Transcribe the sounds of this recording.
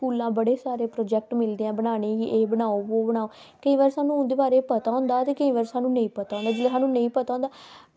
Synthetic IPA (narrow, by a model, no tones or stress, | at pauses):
skuːlãːbəɽeːsaːɾeːpɾɔːd͡ʒɛːk̚ʈmɪld̪eːãːbənaːnẽːiʔeːbənaːoːʋoːbəɽaːoː | kəĩːʋaːɾsaːnũːnd̪eːbaːɾeːpət̪aːoʊ̃ːnd̪aːt̪eːkəĩːʋaːɾsaːnũːnə̃ĩːpət̪aːõnd̪aːd͡ʒɪleːsaːnũːnəĩːpət̪aːʊ̃nd̪aː